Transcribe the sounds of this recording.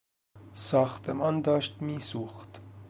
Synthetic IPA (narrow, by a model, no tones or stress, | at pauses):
sɑːxt̪ʰɛmɑnd̪ɑːʃt̪miːsuxt̪